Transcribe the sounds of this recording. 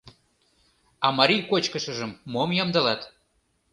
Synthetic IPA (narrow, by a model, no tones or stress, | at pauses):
ɑmɑɾijkot͡ɕkəʃə̆ʒəmːomjɑmd̪ɤ̆lɑt̪